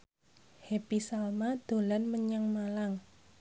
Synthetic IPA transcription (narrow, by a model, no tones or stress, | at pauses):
hepisalmad̪̥o̤lanməɲaŋmalaŋ